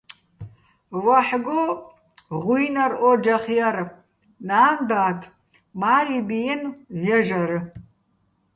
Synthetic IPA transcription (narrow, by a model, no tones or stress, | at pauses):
waħɡo | ʁʷʊjnɐrʔod͡ʒɐχjaɾɨ | naːndaːtʰʼ | maːribijɪnjɐʒɐɾɨ